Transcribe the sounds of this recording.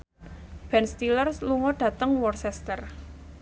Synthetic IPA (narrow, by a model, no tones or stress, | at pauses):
b̥ɛnst̪ilərsluŋɔɖ̥ä̤t̪əŋwɔrsɛst̪ər